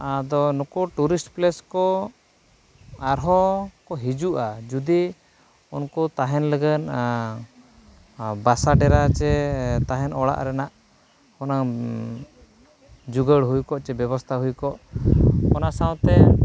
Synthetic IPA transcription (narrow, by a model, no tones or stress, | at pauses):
ad̪ɔnɔkɔʈuɾisʈplɛskɔ | aɾɦɔkɔɦid͡ʒuʔad͡ʒud̪i | unkɔt̪aɦɛnləɡən | basaɖɛɾat͡ʃɛt̪aɦɛnɔɽa̰ʔɾɛnaʔ | kɔna | d͡ʒuɡəɽɦujkɔʔt͡ʃɛbɛβɔst̪ʰaɦujkɔʔkɔnasãw̃t̪ɛ